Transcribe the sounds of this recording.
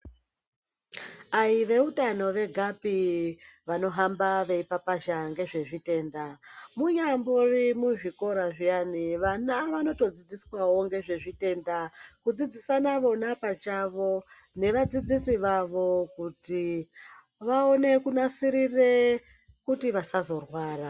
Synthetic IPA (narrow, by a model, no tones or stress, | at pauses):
aiʋe̞utano̞ʋe̞ɡʱapiʋano̞ɦambaʋe̞ipapaʃaŋɡe̞ʐe̞ʐite̞ːndamuɲamborimuʐiko̞ɾaʐijaniʋanaʋano̞to̞d͡zid͡ziswawo̞ŋɡe̞ʐe̞ʐite̞ːndakud͡zid͡zisanaʋo̞napat͡ʃaʋo̞ | ne̞ʋad͡zid͡zisiʋaʋo̞kuti | ʋao̞ne̞kunasiɾire̞ | kutiʋasazo̞rwaːra